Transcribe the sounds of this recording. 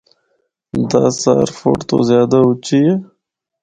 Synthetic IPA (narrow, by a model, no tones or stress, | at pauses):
d̪a̰ːsa̰ɾfo̰ʈt̪o̰zjɑːd̪aut͡ʃije